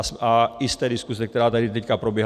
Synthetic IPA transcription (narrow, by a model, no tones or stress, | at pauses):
smajɪst̪ɛːdiskuzɛk̚t̪ɛɾaːt̪adɪt̪ɛckapɾobjɛɦ